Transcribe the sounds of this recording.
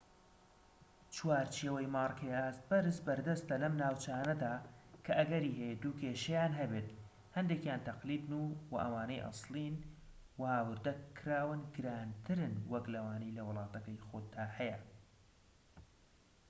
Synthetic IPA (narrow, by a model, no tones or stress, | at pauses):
t͡ʃwaːɾt͡ʃʰeːwɐjmɑːrˤkʰɐjaːs̚bɐɾɨsbɐɾd̪ɐst̪ɐlɐmnaːwt͡ʃɐaːnɐd̪aːkʰɐʔɐɡɐɾiːɦɛjed̪uːkʰeːʃɐjaːnɦɐbeːt̪ | hɐnd̪eːkjaːnt̪ʰɐqliːd̪nuwɐ̰ʔɐ̰waːnɐjʔɑ̰sˤlˠiːn | wɐhaːwɨɾd̪ɐkʰɾaːwɨnɡɨɾaːnt̪ʰɨɾɨnwɐklɐwaːnijlɐwɨlˠɑːt̪ɐkɐjxoːd̪d̪aːhɐjɐ